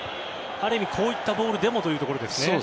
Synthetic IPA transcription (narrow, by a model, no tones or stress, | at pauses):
aɾɯ̟imʲikʰo̞ːit̪ːabo̞ːɾɯ̟d̪e̞mo̞t̪o̞jɯ̟ːt̪oko̞ɾo̞d̪e̞sɨ̥neo